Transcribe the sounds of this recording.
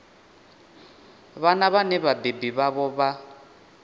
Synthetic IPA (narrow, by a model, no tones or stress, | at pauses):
βanaβanɛβabebiβaβɔβa